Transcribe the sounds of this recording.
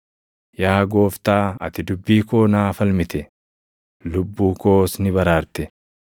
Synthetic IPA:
jaːɡo̞ːft̪aːɐ̰t̪ɪd̪ʊbːiːko̞ːnaːfɐlmɪt̪ɛ | lʊbːuːko̞ːsnɪbɐɾaːɾt̪ɛ

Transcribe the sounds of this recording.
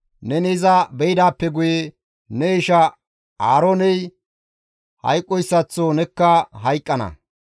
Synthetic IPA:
nɛnɛɪzɐbɛjɪd̪aːpːɛɡʊje | nɛɪʃɐ | aːɾoːnɛj | hɐ̰jkʼːɔjsːɐt͡sːonɛkːɐɦɐjkʼːɐnɐ̰

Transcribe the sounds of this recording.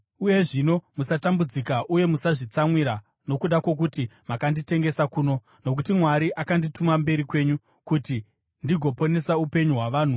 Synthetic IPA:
uje̞ʐino̞musatambud͡zikaʔuje̞musaʐit͡samwiɾa | no̞kuɗako̞k̬utimakandite̞ŋɡe̞sakuːno̞ | no̞k̬utimwaɾiʔakanditumambe̞ɾikwe̞ːɲu | kuti | ndiɡʱo̞po̞ne̞saupe̞ɲuɦwaʋaːn̤u

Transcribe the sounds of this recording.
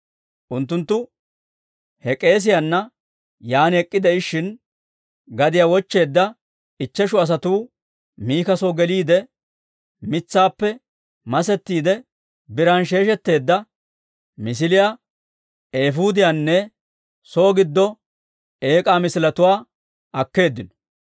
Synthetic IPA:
ʔʊnt̪ːʊnt̪ːʊ | hɛkʼe̞ːs̬ɪjanːɐ | jaːnɛkʼːɪd̪ɛɪʃɪn | ɡɐd̪ɪjawɔt͡ʃːe̞ːd̪ːɐ | ɪt͡ʃːɛʃʊɐs̬ɐt̪uː | miːkɐsoːɡɛliːd̪ɛ | mɪt͡sːaːpːɛ | mɐsɛt̪ːiːd̪ɛ | bɪɾɐnʃ̬e̞ːʃɛt̪ːe̞ːd̪ːɐ | mɪs̬ɪlɪja | eːfuːd̪ɪjanːɛ | soːɡɪd̪ːɔ | e̞ːkʼaːmɪsɪlɐt̪ʊwaː | ʔɐkːe̞ːd̪ːɪnɔ̥

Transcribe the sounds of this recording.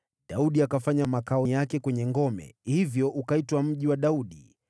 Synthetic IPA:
ɗauɗiakafaɲamakaɔjakɛkwɛɲɛŋɡɔmɛ̰hivjɔʔukaitwam̩ʄiwaɗauɗḭ

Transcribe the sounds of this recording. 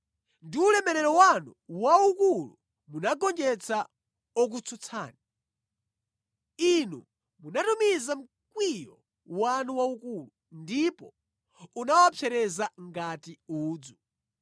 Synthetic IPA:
ndiulɛmɛɾɛɾɔwanuwaukulṵ | munaɡɔnd͡ʒɛt͡sʰa | ɔk̬ut͡sʰut͡sʰa̰ːni | inṵ | munatumizam̩ | kwijɔ | wanuwaukulu | ndipɔ | unawapʰɛɾɛzaŋɡatiuːd͡zu

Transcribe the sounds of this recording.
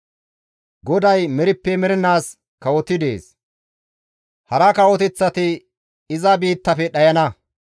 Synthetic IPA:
ɡɔd̪ɐjmɛɾɪpːɛmɛɾɛnaːs | kɐwɔt̪ɪd̪e̞̰ːs | hɐɾɐkɐwɔt̪̬ɛt͡sːɐt̪ɪ | ɪzɐbiːt̪ːɐfɛɗɐjɐnɐ

